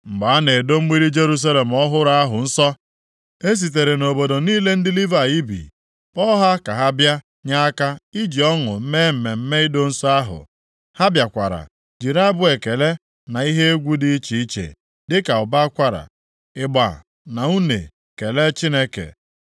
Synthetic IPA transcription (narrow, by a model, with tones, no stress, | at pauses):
ŋ͡m̩˨ɡ͡ba˨a˦ne˨do˦ŋ͡m̩˦ɡ͡bi˦ɾi˦d͡ʒe˦ɾu˦s̬a˦le˨m̩˨ɔ˦ɦʊ˦ɾa˦a˦ɦʊ˨n̩˦sɔ˦ | e˦s̬i˨t̬e˨ɾe˨no˨bo˨do˨niː˦le˦n̩˦dɪ˦li˦va˨i˦bḭ˨ | ɔ˦ɦa˦ka˨ɦa˦bja˦ | ɲa˦a˦ka˦i˦d͡ʒi˨ɔ˦ŋʊ̰˨m̩˦me˦m̩˨me˨m̩˦me˦ɪ˦do˦n̩˦sa˦ɦʊ̰˨ | ha˦bja˨kʷa̰˨ɾa̰˨ | d͡ʒi˨ɾa˦bʊ˦e˨ke˨le˦ | na˨i˦ɦe˦e˦ɡʷu˦di˦i˦t͡ʃi˨i˦t͡ʃḛ˨ | dɪ˦ka˨ʊ˨ba˦kʷa˦ɾa̰˨ | ɪ˨ɡ͡ba̰˨ | na˨u˦nḛ˨ | ke˨le˦t͡ʃi˦ne˦kḛ˨